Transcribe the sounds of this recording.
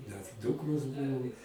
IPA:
nʲɛs ˈduːkroːs ˈbuːʋoː

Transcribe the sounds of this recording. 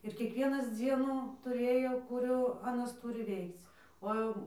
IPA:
ɪr kʲiɛkˈʋʲiɛnɐs ˈd͡zʲiɛnʊ tʊˈrʲeːjoː kʊˈrʲuː ɐˈnɐs ˈtuːrʲɪ ˈʋʲɛɪkt͡s oː ˈjɛʊ

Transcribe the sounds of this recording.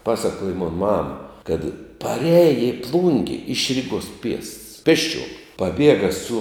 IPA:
ˈpɑːsɐkuɔjɛ moːn ˈmɐm ˈkɐt pɐˈrʲæːjɛ ɪ ˈplˠʊŋʲɡʲɛ ɪʃ ˈrʲɪɡuɔs pʲiɛsts ˈpʲeːsʲˌt͡ʃʲuɔm pɐˈbʲiɛɡɐ sʊ

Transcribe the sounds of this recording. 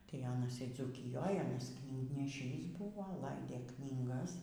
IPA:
tɐɪ ˈɑːnɐs iː d͡zuːkʲɪˈjoːj ˈɑːnɐs knʲiːɡnʲɛˈʃʲiːs ˈbʊʋoː ˈlˠɐɪdʲeː ˈknʲiːɡɐs

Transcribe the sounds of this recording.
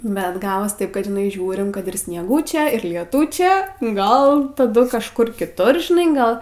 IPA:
bʲɛt ˈɡɑːʋoːs ˈtɐɪp ˈkɐt ʒʲɪˈnɐɪ ˈʒʲuːrʲɪm ˈkɐt ɪr sʲnʲiɛˈɡʊt͡ʃʲɛ ɪr lʲiɛˈtʊt͡ʃʲɛ ˈɡɐlˠ tɐˈdʊ kɐʃˈkʊr kʲɪˈtʊr ʒʲɪˈnɐɪ ˈɡɐlˠ

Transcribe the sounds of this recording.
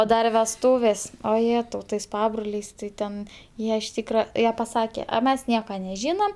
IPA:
oː ˈdɐr ʋʲɛsˈtuːʋʲeːs oː jˈeːtɐʊ tɐɪs ˈpɑːbroːlʲɛɪs tɐɪ ˈtʲɛn ˈjiɛ ɪʃ ˈtʲiːkrɐ ˈjiɛ pɐˈsɑːkʲɛ ɐ ˈmʲɛs ˈnʲiɛkɐ nʲɛˈʒʲiːnɐm

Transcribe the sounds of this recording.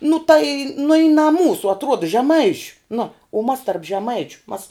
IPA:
nʊ tɐɪ nʊ ɪ nɐ ˈmuːsuː ɐtˈruɔdɐ ʒʲɛˈmɐɪʃʲʊ nʊ ʊ mɐs tɐrp ʒʲɛˈmɐɪt͡ʃʲʊ mɐs

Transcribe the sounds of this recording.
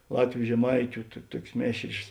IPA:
ˈlˠɑːtʲʋʲʊ ʒʲɛˈmɐɪtʲʊ tʊ ˈtuɔkʲeːs ˈmʲeːʃʲrʲeːs

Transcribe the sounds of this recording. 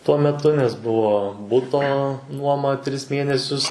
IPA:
tuɔ mʲɛˈtʊ nʲɛs ˈbʊʋoː ˈbʊtoː ˈnuɔmɐ ˈtʲrʲɪs ˈmʲeːnʲɛsʲʊs

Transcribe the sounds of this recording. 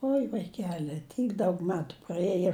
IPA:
ˈoːɪ ʋɐɪˈkʲæːlʲɪ ˈtʲiːk ˈdɐʊk ˈmʲæːtʊ prɐˈeːjoː

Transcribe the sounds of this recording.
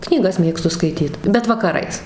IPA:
knʲiːˈɡɐs ˈmʲeːkstʊ skɐɪˈtʲiːt bʲɛt ʋɐkɐˈrɐɪs

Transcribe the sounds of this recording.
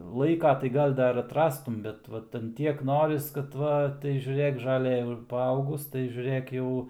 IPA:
lˠɐɪˈkɐ tɐɪ ˈɡɐlˠ ˈdɐr ɐtˈrɑːstʊm ˈbʲɛt ˈʋɐt ɐn ˈtʲiɛk ˈnoːrʲɪs kɐt ˈʋɐ tɐɪ ʒʲʊˈrʲeːk ʒɐˈlˠɘ jɛʊ ɪr pɐˈɐʊɡʊs tɐɪ ʒʲʊˈrɘk ˈjɛʊ

